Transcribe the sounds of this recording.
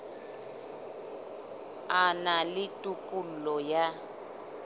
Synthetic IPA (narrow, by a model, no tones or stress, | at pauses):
analɪtʼukʼul̩lɔja